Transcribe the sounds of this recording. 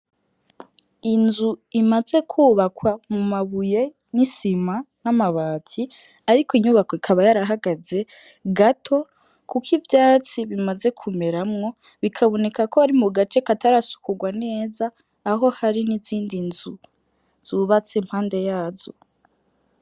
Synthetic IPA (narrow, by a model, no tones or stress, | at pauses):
inzuimaze̞kʰuːβakwamumaβuje̞ | nisimanamaβaːtʰi | aɾikʰoiɲuːβakoikʰaβajaɾaɦaɡaze̞ | ɡatʰo̞ | kukʰivjaːt͡siβimaze̞kʰume̞ɾamŋo̞ | βikʰaβo̞ne̞kakoaɾimuɡat͡ʃe̞kataɾasu̥kuɡwane̞ːzaː | ɦo̞haɾiniziːndinzu | z̥uːβat͡semhaːnde̞jaːzo